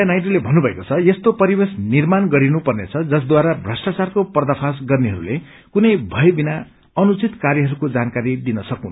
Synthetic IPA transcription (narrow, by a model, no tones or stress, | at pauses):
ajnajʈʌlebʱʌnːubʱʌekot͡sʰʌjest̪opʌɾibesnirmanɡʌɾinupʌrnet͡sʰʌd͡zʌs̬d̪waɾabʱrʌsʈat͡sarkopʌrd̪apʰas̬ɡʌrniɦʌɾṵle | kunʌjbʱʌjbina | ʌnut͡sit̪karjʌɦʌɾukod͡zankaɾid̪inʌsʌkuna